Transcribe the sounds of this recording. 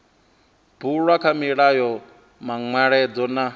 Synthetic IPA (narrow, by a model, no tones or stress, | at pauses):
b̥uɺwakʰamiɺajɔ | maŋwaɺɛd͡zɔna